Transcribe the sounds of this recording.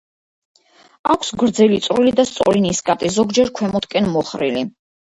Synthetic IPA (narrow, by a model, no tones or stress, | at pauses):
akʰsɡɾd̪zɛlit̪sʼɾilid̪ast̪sʼɔɾiniskʼat̪ʼizɔɡd͡ʒɛɾkʰwɛmɔt̪ʰkʼɛnmɔχɾḭli